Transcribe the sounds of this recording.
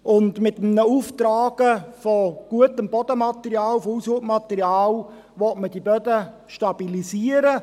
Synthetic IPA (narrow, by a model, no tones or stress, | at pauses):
ʔʊndmɪtəmnəuftraːɡ̥əfɔɡ̥uətəmbɔd̥əmɑt̪əriɑːlfɔusupmɑtəɾiaːl | ʋɔtmədibœdə | ʃtɑb̥ilisiəɾə